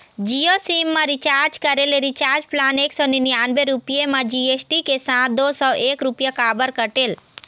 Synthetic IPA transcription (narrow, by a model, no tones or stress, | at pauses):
d͡ʒijosimːaɾit͡ʃaɾd͡ʒkəɾeleɾit͡ʃaɾd͡ʒplaneksɔninijanbeɾupijemad͡ʒiesʈikesãt̪d̪osɔʔeːkɾupjakaːbəɾkəʈel